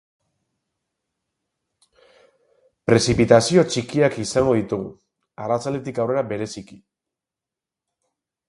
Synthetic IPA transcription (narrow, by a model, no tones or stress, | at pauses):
pɾe̞sipit̪asio̞t͡ʃikiakisaŋɡo̞ð̞it̪uɣu | arat͡sald̪e̞t̪̬ikawre̞ɾabe̞ɾe̞siki̥